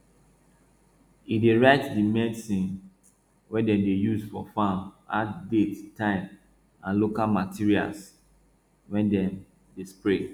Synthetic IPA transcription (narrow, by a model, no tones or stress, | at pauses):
ideɹaɪtdimɛdsĩn | wɛdɛ̃mdejusfɔ̰fãmatdettʰãɪ̃m | ãnlokalmatʰiɹia̰ls | wɛ̃ndɛ̃m | despɹe